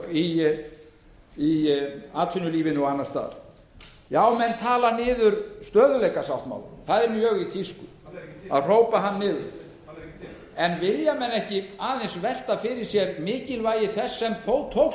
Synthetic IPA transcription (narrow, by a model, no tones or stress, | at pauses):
i | iaːt̪ʰfʏnːʏliːvɪnʏɔanːaɾ̥st̪a̰ːða̰ɾ̥ | jaːwmɛnt̪ʰaːlanɪːðʏɾst̪œːðʏlejkasawht̪ma̰ːwlʏθaðɛɾmjœɣit̪ʰiskʏ | a̰ðr̥owpaɦanːɪːðʏɾ | ɛnvɪljamɛnɛhcɪaːðensvɛl̥t̪afɪɾɪ̥sjɛɾmɪːcɪlvaːjɪθɛsːɛmθoːwt̪ʰowx